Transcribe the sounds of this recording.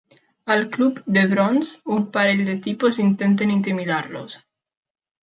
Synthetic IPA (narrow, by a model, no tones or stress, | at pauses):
alklupd̪eβɾɔnsumpaɾeʎd̪et̪ipozint̪ent̪̬enint̪̬imiðaɾlo̰s